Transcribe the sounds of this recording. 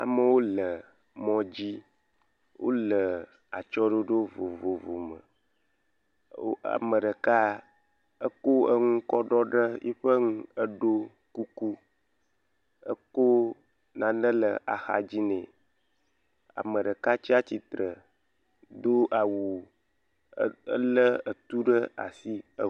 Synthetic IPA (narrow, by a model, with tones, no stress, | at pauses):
a̰˨mə˨wo˦lə˨ | mɔ̃˦d͡ʑi˦ | wʔo̰˦lə˨ | a̰˨t͡ʃɔ˦ɖo˦ɖo˦vo˨vo˨vo˨mə̰˨˦ | a̰˨mə˨ɖə˨ka˦ | ə˦ko˦ə˦ŋũ˦kɔ˦ɖɔ˦ɖə˦jḭ˦ɸə˦ŋũ˦ə˦ɖo˦ | ku˦ku˦ | ə˦ko˦ | nã˨nə̃˦lə˨ʔa˨xa̰˨d͡ʑi˦nɛ̃˨ | a̰˨mə̃˨ɖə˨ka˦t͡ɕi˦a˦t͡ɕi˨t̪ɾə˨ | d̪o˦ʔa˨wu˨˦ | ə˦lə˦ə˨t̪u˦ɖə˦a̰˨si˦ə˦